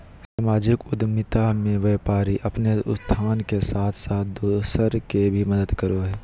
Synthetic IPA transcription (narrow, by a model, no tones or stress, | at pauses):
saːmaːd͡ʒɪkʊd̪mɪt̪amẽʋeːpaːɾiʔɐpneʊst̪ʰaːnkesaːt̪ʰsaːt̪̚ʰd̪osəɾkebʱimɐd̪əd̪kəɾoɦɛː